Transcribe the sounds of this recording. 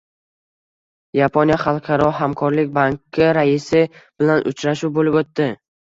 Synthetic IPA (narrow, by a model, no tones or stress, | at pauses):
japʰonijaχɑlˠqʰɑɾɒɦamkʰɒɾlɪkʲbaŋkʲʰːɪɾaɪsɪb̥ɪlanʔʊ̰t͡ʃʰɾaʃuwbolɪbot̪ːɪ